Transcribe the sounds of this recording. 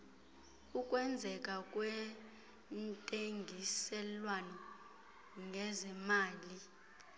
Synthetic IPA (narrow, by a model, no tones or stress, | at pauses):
ukʼwɛnd͡zʱɛkʼakʼwɛ | ntʼeŋɡʱisɛlwanɔ | ŋɡʱɛzɛmaːli